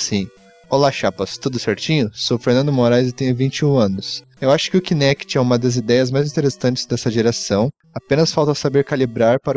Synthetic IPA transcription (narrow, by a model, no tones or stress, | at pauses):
sĩ | olaʃapɐst̪ud̪ʊseɾt͡ʃĩɲʊsofeɾnɐ̃nd̪ʊmoɾajzɪt̪ẽj̃ʊvĩnt͡ʃɪũɐ̃nʊs | ewaʃʊ̥kɪʊkinɛkɪ̥t͡ʃɪɛũmɐd̪ɐzid̪ɛjɐzmajzĩt̪eɾesɐ̃nt͡ʃɪ̥zd̪ɛsɐʒeɾasɐ̃w̃ | apẽnɐsfawˠt̪ɐsabeɾkalibɾaɾpaɾ